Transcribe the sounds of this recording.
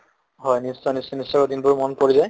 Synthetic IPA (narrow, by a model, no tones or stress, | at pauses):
ɦɔjnisɔnisɔnisːɔkɔd̪inbuɹmɔnpoɹizaj